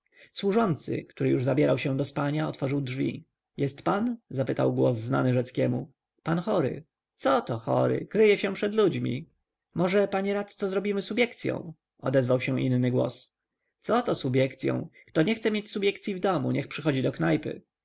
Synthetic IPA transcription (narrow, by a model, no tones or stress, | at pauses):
swuʐɔnt̪sɘ̰kt̪uɾɘjuʐzabʲjɛɾawɕɛ̃d̪ɔspaɲaɔt̪fɔʐɘwdʐvʲḭ | jɛst̪panzapɘt̪a̰wɡwɔzzna̰nɘʐɛt̪skʲɛmṵ | panxɔɾɘ̰ | t̪sɔt̪ɔxɔ̰ɾɘ̰kɾɘjɛɕɛpʂɛd̪lud͡ʑmʲḭ | mɔʐɛpaɲɛɾat̪t̪sɔzɾɔbʲimɘsubʲjɛkt̪sʲjɔ̰̃w̃ | ɔ̰d̪ɛzvawɕɛ̃ʔḭnːɘɡwɔ̰s | t̪sɔt̪ɔsubʲjɛkt̪sʲjɔ̰̃w̃kt̪ɔɲɛxt̪sɛmʲjet͡ɕsubʲjɛkt̪sʲjivd̪ɔmṵɲʔɛxpʂɘxɔd͡ʑid̪ɔknajpɘ̰